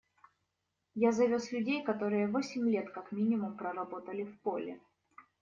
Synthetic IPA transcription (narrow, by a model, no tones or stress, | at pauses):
jazɐvʲoslʲʉdʲejkɐt̪o̞ɾɨjəvo̞sʲɪmʲlʲe̞t̪kakmʲinʲɪmʊmpɾərɐbo̞t̪əlʲɪfpo̞lʲɪ